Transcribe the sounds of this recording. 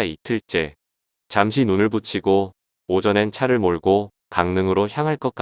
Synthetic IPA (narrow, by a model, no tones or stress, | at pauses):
itʰɯɭt͡ɕ͈e̞ | t͡ɕamɕ̬ʰinunɯɭbut͡ɕʰiɡo | od͡ʑʌnent͡ɕʰaɾɯɭmoɭɡo | kaŋnɯŋɯɾoçjaŋɦaɭk͈ʌk͈